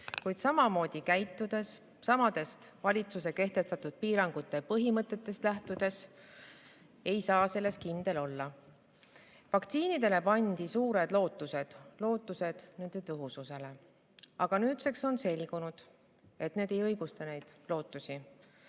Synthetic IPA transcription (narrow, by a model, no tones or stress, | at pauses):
kujd̪̥sɑmɑmo̞ːd̪̥ʲikæjt̪ːud̪̥e̞s | sɑmɑd̪e̞st̪vɑlʲit̪suse̞ke̞ht̪e̞st̪ɑt̪ud̪̥̚piːɾɑŋɡ̥ut̪ːˑe̞pɤɦimɤt̪ːˑe̞t̪ːe̞st̪læht̪ud̪̥e̞s | e̞jsɑːse̞lːe̞skind̪̥e̞lo̞lːɑ | vɑkt̪siːnid̪e̞le̞pɑnʲd̪̥isuːɾe̞d̪̥lo̞ːt̪ːˑuse̞d̪̥lo̞ːt̪ːˑuse̞d̪̥ne̞nd̪e̞t̪ɤɦususe̞le̞ | ɑɡ̥ɑnyːt̪se̞kso̞nse̞lʲɡ̥unud̪̥ | e̞t̪ne̞ːd̪e̞jɤjɡ̥ust̪ɑne̞jd̪̥lo̞ːt̪ːˑusʲi